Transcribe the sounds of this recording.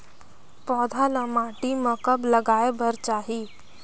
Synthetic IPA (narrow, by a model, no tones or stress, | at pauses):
pɔd̪ʱaləmaʈiməkəbləɡaebʱəɾt͡ʃaɦi